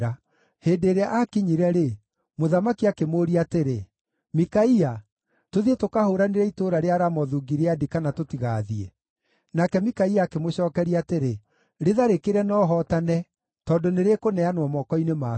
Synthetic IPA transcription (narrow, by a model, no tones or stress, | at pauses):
a | heːndeːɾeaʔakiɲiɾɛɾe | moðamakiakemoːɾiateɾe | mikaia | toðietokahoɾaneɾɛitoːɾaɾeaɾamɔðuɡiɾeadikanatotiɣaːðiɛ | nakɛmikaiaːkemoɕɔːkɛɾiateɾe | ɾeðaɾekeɾɛnɔɦɔtanɛ | tɔːndoneɾekonɛanwɔmɔkɔinema